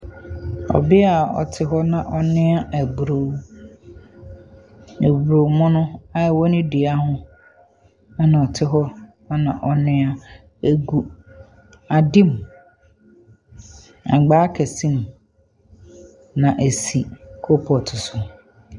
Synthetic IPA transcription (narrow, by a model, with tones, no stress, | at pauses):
ɔ̰˨bɪ˦a˨ɔ̰˨tʰɪ˦ɦɔ˦nã˨ʔɔ˨nɪ̃˦a˦ʔæ˨bɾo˨˦ | e˨bɾo˨mɔ̃˦nʊ̃˦a˦˨wɔ˦nɪ̃˦dɪ˨a˦hʊ̃˦ | a˦nã˨ɔ˨tʰɪ˦ɦɔ˦ | a˦nã˨ʔɔ˨nɪ̃˦a˦ | æ˨ɡu˦ | a˨di˦m˨ | a̰˨ɡ͡baː˦kʰɛ˨sĩ˦m˨ | nã˨ʔe˨si˨kʰo˦pʰɔ˨tʰʊ˨sʊ˨